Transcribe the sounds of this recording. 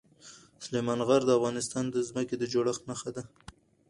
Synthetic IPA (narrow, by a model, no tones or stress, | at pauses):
slemɑnɣaɾd̪əafɣɑnɪst̪ɑnd̪əzməked̪əd͡ʒoɽəxt̪maxad̪a